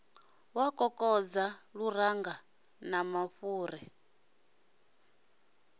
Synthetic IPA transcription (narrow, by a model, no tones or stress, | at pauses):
wakʼɔkʼɔd͡zaɺuɾaŋɡa | namaɸuːɾɛ